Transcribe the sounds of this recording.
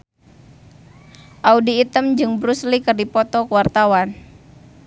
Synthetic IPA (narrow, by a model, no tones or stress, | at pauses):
ʔaudiːt̪əmd͡ʒɨŋbɾuslikərdipɔt̪ɔkəwart̪awan